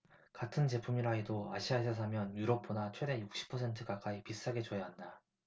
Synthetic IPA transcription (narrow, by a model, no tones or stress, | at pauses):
katʰɯnt͡ɕe̞pʰumiɾaidoa̰ɕʰiaesʰʌs̬ʰamjʌnjuɾʌp̚p͈onat͡ɕʰwede̞juk̚ɕ͈i̥pʰʌsʰe̞ntʰɯkak͈aipis͈aɡe̞t͡ɕojaɦanda